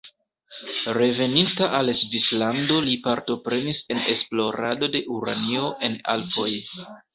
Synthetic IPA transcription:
ɾe̞ve̞nintaʔalsvislando̞lipaɾto̞pɾe̞nise̞ne̞splo̞ɾa̰do̞de̞ʔuɾa̰nio̞ʔe̞na̰lpo̞j

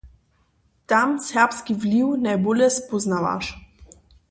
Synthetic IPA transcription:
t̪amsɛʁpskivliwnajbolʲjɛspɔznava̰ʃ

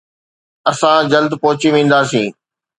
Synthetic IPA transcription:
ɐsãd͡ʑɐld̪pɔɦʊt͡ɕiʋĩːn̆d̪aːsĩː

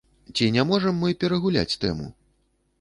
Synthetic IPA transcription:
t͡sʲinʲamɔʐɐmːɨpʲɛɾɐɣulʲa̰t͡sʲt̪ɛ̰mṵ

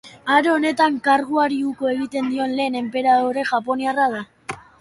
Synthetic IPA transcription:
aɾoone̞t̪aŋkaɾɣuaɾiuko̞e̞ɣ̞it̪e̞nd̪io̞nle̞ːne̞mpe̞ɾaðoɾe̞ʝapo̞niarað̞a

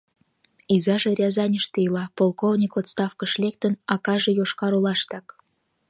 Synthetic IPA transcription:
izɑʒeɾʲɑzɑnʲəʃt̪ejlɑpolˠkovnʲikot̪st̪ɑfkəʃlek̚t̪ənɑkɑʒejoʃkɑɾolɑʃt̪ɑk

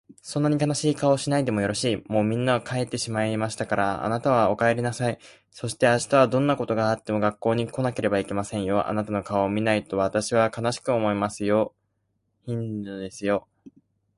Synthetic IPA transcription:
sõ̞nːaɲ̟ikanaɕiːkao̞ɕinaid̪e̞mo̞jo̞ɾo̞ɕiːmo̞ːmʲĩnːaokʰaet̪ːe̞ɕimaimaɕi̥t̪akaɾaa̰nat̪aβ̞ao̞kaeɾʲinasai | so̞ɕi̥t̪e̞aɕi̥t̪aβ̞ad̪õ̞nːako̞t̪o̞ɡaːt̪ːe̞mo̞ɡakːo̞ːɲ̟iko̞nake̞ɾe̞baikʲemasẽ̞ɰ̃jo̞ʔa̰nat̪ano̞kaoːmʲinait̪o̞βat̪aɕiβ̞akanaɕi̥kɯ̟o̞mo̞imasɨjo̞ | çĩnd̪ɨd̪e̞sɨjo̞

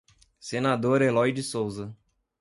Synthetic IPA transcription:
senad̪oɾelɔjd͡ʒɪsowzɐ

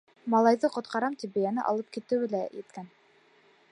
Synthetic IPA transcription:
mɑlˠɑjðɤqŏt̪̚qɑɾɑmt̪ipbɘjænɘʔɑ̰lˠɤp̚kit̪ɘ̆wɘ̆læjit̪̚kæn

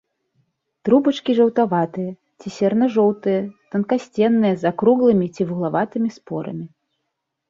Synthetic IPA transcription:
t̪ɾubɐt͡ʂkʲiʐɐwt̪avat̪ɨjɐ | t͡sʲisʲɛrnɐʐɔwt̪ɨjɐt̪ɐnkasʲt͡sʲɛnːɨjɛzakɾuɣlˠɨmʲit͡sʲivuɣlˠavat̪ɨmʲispɔɾɐ̰mʲi

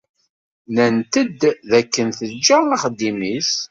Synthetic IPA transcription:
nənt̪əd̪ðækːənθəd͡ʒːəaχd̪ːimis

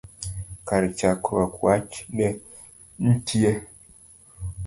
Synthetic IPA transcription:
kaɾit͡ʃakɾakwat͡ʃnɛ | n̩tʰiɛ

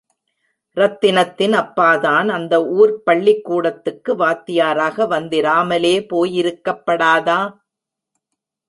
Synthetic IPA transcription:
ɾɐt̪ːɪnɐt̪ːɪnɐpːaːðaːnɐnd̪ɐuːɾpɐɭːɪkːuːɽɐt̪ːɯkːɯʋaːt̪ːɪjaːɾaːɣɐʋɐnd̪ɪɾaːmɐleːpoːjɪɾɯkːɐpːɐɽaːðaː

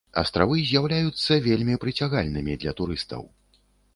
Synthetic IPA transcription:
ɐ̰st̪ɾavɨzʲjawlʲajut̪sːɐvʲelʲmʲipɾɨt͡sʲaɣalʲnɨmʲid̪lʲɐt̪uɾɨst̪ɐ̰w

